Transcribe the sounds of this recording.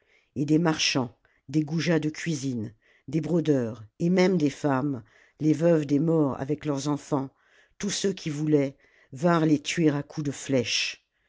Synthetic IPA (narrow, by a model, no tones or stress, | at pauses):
ed̪emaʁʃɑ̃ | d̪eɡuʒad̪əkʰʲɥizin | d̪ebʁod̪œːʁemɛmd̪efam | levœvd̪emɔʁa̰vɛklœʁzɑ̃fɑ̃ | t̪usøkʰʲivulɛ | vɛ̃ʁlet̪ɥeʁakʰud̪əflɛʃ